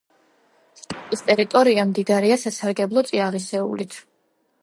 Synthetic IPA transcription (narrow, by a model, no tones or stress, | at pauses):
st̪ʼat̪ʼist̪ʼɛɾit̪ʼɔɾiamd̪id̪aɾɛasasaɾɡɛblˠɔt̪sʼiaʁisɛṵlit̪ʰ